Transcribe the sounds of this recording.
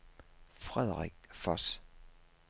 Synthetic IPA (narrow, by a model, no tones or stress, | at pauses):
fʁɛðˠʁeɡ̥fɒs